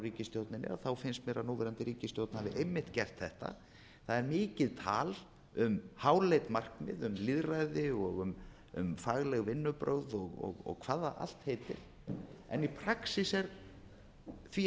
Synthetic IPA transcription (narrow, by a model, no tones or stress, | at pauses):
riːcɪst̪jowt̪nɪnːɪ̰ɾaθawfɪnst̪meːɾanuːvɛɾant̪ɪɾiːcɪst̪jowt̪nahaðɪʔejmːɪht̪cɛr̥t̪θɛht̪a̰ | θaðɛɾmɪːcɪðt̪ʰa̰ːl | ʏmhaːwlejt̪mar̥knɪ̰ðʏmliðrajðɪɔɣʏm | ʏ̰mfaɣlɛɣvɪnːʏpɾowðɔɣɔ̰ɣɔ̰ɣkʰv̥aːðaʔa̰l̥t̪hejt̪ɪ̰ɾ̥ | ɛ̰nipʰɾaksisɛɾ | θvi